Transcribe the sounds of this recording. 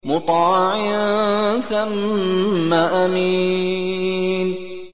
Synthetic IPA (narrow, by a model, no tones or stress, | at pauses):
mʊt̪ˤɑːʕɪ | θamː | aʔamiː | n